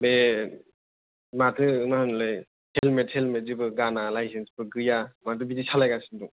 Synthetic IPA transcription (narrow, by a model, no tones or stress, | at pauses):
be | matʰɯnahɯnlɯj | helmethelmetzibɯɡanalajsʰensbɯɡɯjamat̬ɯbidisʰalajɡasinduŋ